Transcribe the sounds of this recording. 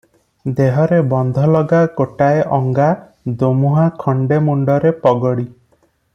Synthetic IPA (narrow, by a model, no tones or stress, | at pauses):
d̪eɦɔɾebɔnd̪ʱɔlɔɡaɡoʈaeʔɔŋɡa | d̪omuɦakʰɔɳɖemuɳɖɔɾepɔɡɔɽi